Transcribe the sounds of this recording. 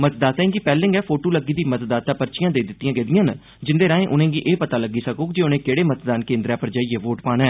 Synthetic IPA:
mət̪d̪aːt̪aĩːɡipɛːlɪ̃ŋɡɛːpʰoːʈoːləɡːiːd̪iːmət̪d̪aːt̪aːpəɾt͡ʃɪjãːd̪eːd̪ɪt̪ːijãːɡeːd̪ɪjãːn | d͡ʒɪnd̪eːɾãːẽːʔʊnẽːɡiːʔeːpət̪aːləɡiːsəkoːkd͡ʒeːʊnẽːkeːɽeːmət̪d̪aːnkẽːnd̪ɾɛːpəɾd͡ʒaːiːeːʋoːʈpaːnɛː

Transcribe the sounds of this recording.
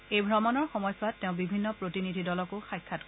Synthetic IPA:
ejbʱɹɔmɔnɔɹxɔmɔjsatːeʊ̃bibʱinːɔpɹotinidʱidɔlɔkʊxajkʰːat

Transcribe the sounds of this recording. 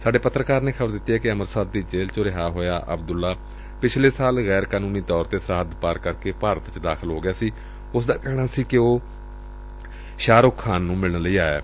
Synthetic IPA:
saːɖeːpət̪ːɾəkaːɾneːkʰəbəɾd̪ɪt̪ːiːɦɛːkɪəməɾsaːd̪d̪iːd͡ʒeːlt͡ʃoːɾɪɦaːɦoːjaːʔəbd̪ʊlːaː | pɪt͡ʃʰleːsaːlɣɛːɾkaːnũːniːt̪ɔːɾt̪eːsəɾaːd̪paːɾkəɾkeːpaːɾət̪t͡ʃd̪aːkʰəlɦoːɡɪjaːsiː | ʊsd̪aːkɛːɽ̃aːsiːkɪoː | ʃaːɾʊkʰːaːnːũːmɪlnləiːaːḛː

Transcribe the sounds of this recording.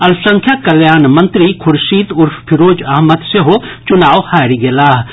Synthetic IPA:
ɐlsɐ̃ŋkʰjakɐljaːnmɐ̃nt̪ɾikʰʊɾʃiːt̪ʊɾfpʰɪɾoːd͡ʒɐɦmət̪seɦot͡ʃʊnaːʋhaːɾiɡelaːɦ

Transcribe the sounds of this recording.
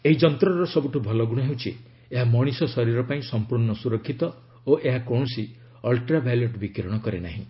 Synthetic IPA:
eɦid͡ʒɔnt̪ɾɔɾɔsɔbuʈubʱɔlɔɡuɽ̃ɔɦewt͡ʃʰi | eɦamɔɽ̃isɔsɔɾiɾɔpaĩsɔmpuɾɳɔsuɾɔkʰːit̪ɔ | oʔeɦakoɳɔsi | ɔlʈɾabaljuʈbikiɾɔɽ̃ɔkɔɾena̰ɦḭ̃

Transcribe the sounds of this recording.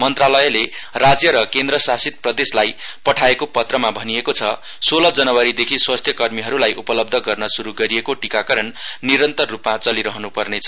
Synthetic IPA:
mʌnt̪ralʌjlerad͡zjʌɾʌkend̪rʌsasit̪̚prʌd̪eslajpʌʈʰaekopʌt̪rʌmabʱʌniekot͡sʰʌ | solʌd͡zʌnʌwaɾid̪ekʰiswast̪ʰjʌkʌrmiɦʌɾulajʔupʌlʌb̚d̪ʱʌɡʌrnʌsuɾuɡʌɾiekoʈikakʌɾʌnnːiɾʌnt̪ʌrːupmat͡sʌliɾʌɦʌnupʌrnet͡sʰʌ̥

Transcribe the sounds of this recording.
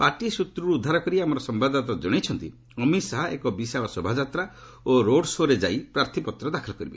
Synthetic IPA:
paʈiesut̪ɾuɾuud̪ʱːaɾɔkɔɾiamɔɾɔsɔmbad̪ɔt̪ɔd͡ʒɔɽ̃ejt͡ʃʰɔnt̪i | ɔmisaɦaʔḛkɔbisabɔsɔbʱad͡ʒat̪ɾa | oɾoɽsoɾed͡ʒajpɾaɾt̪ʰipɔt̪ɾɔd̪akʰɔlɔkɔɾibe

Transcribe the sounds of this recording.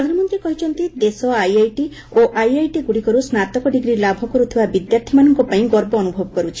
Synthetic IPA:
ɾɔd̪ʱanɔmɔnt̪ɾekɔɦit͡ʃʰɔnt̪id̪esɔajajʈi | oʔajajʈiɡuɽikɔɾusnat̪ɔkɔɖiɡɾilabʱɔkɔɾut̪ʰibabid̪jaɾt̪ʰimanɔŋkɔpaĩɡɔɾbɔːnubʱɔbɔkɔɾut͡ʃʰi̥

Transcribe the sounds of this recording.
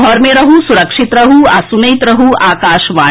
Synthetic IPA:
ɔɾmẽɾɐɦusuɾɐkʂit̪ɾɐɦuasunɐjt̪ɾɐɦuaːkaːʃʋaː

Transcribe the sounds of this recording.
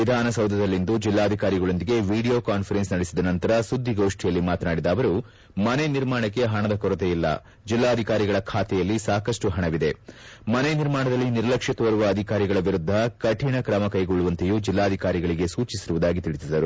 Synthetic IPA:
ʋid̪ʱaːnɐsɐwd̪ʱɐd̪ɐlːind̪ud͡ʒilːaːd̪ʱikaːɾiɡɐɭo̞nd̪iɡe̞ʋiːɽijo̞ːkaːnfʰɐɾensnɐɽisid̪ɐnɐnt̪ɐɾɐsud̪ʱːiɡo̞ːʂʈijɐlːimaːt̪naːɽid̪aːʋɐɾu | mɐneniɾmaːɳɐkːe̞ɦɐɳɐd̪ɐkɔɾɐt̪eilːɐ̰ | d͡ʒilːaːɐd̪ʱikaːɾiɡɐɭɐkʰaːt̪ɛjɐlːisaːkɐʂʈuɦɐɳɐʋid̪e̞mɐneniɾmaːɳɐd̪ɐlːiniɾlɐkʂit̪ɐʋɐɾuʋɐːd̪ʱikaːɾiɡɐɭɐʋiɾud̪ʱːɐkɐʈʰiɳɐkɾɐmɐkɐjɡoɭːuʋɐnt̪ejud͡ʒilːaːd̪ʱikaːɾiɡɐɭiɡe̞suːt͡ʃisiɾuʋud̪aːɡit̪iɭisid̪ɐɾu

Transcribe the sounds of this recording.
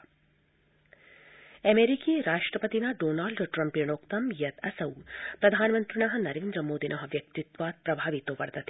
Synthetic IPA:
ɐmeːɾikiːɾaːʂʈɾɐpɐt̪inaːɖoːnaːlɖʈɾɐmpiɳoːkt̪ɐmjɐt̪ɐsɐwpɾɐd̪ʱaːnmɐ̃nt̪ɾinɐɦɐ̆nɐɾeːnd̪ɾəmoːd̪inʔɐɦɐ̆ʋjɐk̚t̪it̪ʋaːt̪̚pɾɐbʱaːʋit̪oʋɐɾt̪ɐt̪ʰe

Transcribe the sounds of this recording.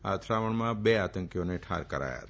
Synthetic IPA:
a̰t̪ʰɾaʋəɳmãbeat̪əŋkjoneʈʰa̰ɾkəɾa̰ja̰t̪

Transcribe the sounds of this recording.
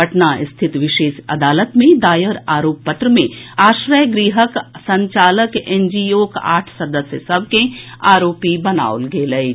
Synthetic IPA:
ɐʈnaʔɪst̪ʰɪt̪ʋɪʃeːʃɐ̰d̪aːlət̪mẽd̪aːjəɾaːɾoːpːət̪ɾəmẽaːʃɾəjɡɾiːɦəksɐ̃ɲt͡ʃaːləkẽːnd͡ʒioːka̰ːʈʰsɐd̪əsjəsɐb̚ʱkẽaːɾoːpibɐna̰ːolɡeːlɐi

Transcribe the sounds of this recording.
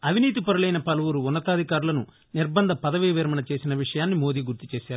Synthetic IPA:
ɐʋiniːt̪̬ipɐɾulɐjnɐpɐlɐʋuɾuːnːɐt̪aːd̪ʱikaːɾulɐnu | niɾbɐnd̪ʱɐpɐd̪ɐʋiːʋeːɾɐmɐnɐt͡ʃe̞ːsinɐʋiʂɐjaːnːimo̞ːd̪iːɡuɾt̪it͡ʃe̞ːʃaːɾuu

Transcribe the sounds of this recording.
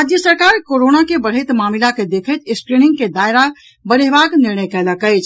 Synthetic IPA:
ɾad͡ʒjəsəɾkaːɾkoɾonakebəɽ̤əɪt̪maːmilaked̪eːkʰət̪ɪskɾinɪ̃ŋɡked̪aːɪɾa | bəɾeɦbaːɡnɪɾɳəjkɛləkəɪt͡ʃʰ

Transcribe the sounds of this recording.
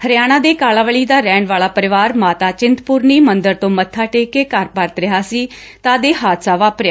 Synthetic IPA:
həɾjaːɽ̃ãːd̪eːkaːlaːʋəɭiːd̪aːɾɛ̃ːɳʋaːlaːpəɾɪʋaːɾmaːt̪aːt͡ʃɪnt̪pʊːɾniːmənd̪əɾt̪õːmət̪ʰːaːʈeːkeːkəɾpəɾt̪ɾɪɦaːsiː | t̪aːd̪eːɦaːt̪saːʋaːpɾjaː

